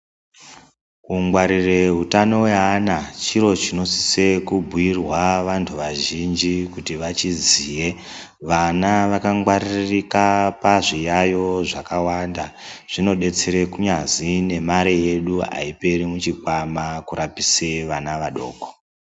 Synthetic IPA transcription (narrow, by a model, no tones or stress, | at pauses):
kuŋɡwaɾire̞ɦutano̞weanat͡ʃiɾo̞t͡ʃino̞si̥se̞kubʱuirwaʋantʰuʋaʒind͡ʒikutiʋat͡ʃiziːje̞ | ʋanaʋakaŋɡwaririkapaʐijajo̞ʐakawandaʐ̥ino̞ɗe̞t͡se̞ɾe̞kuɲazine̞maɾeje̞ɗua̰ipe̞ɾimut͡ʃikwamakuɾapiseʋanaʋaɗo̞ːko̥